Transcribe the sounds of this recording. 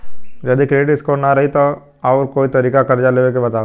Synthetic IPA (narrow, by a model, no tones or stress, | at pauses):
d͡ʒɐd̪ikɾeːʈɪskonɐɾɐɦit̪o | aːɾkoːit̪ɐɾiːkakɐɾd͡ʒaleːʋek̬ebɐt̪aː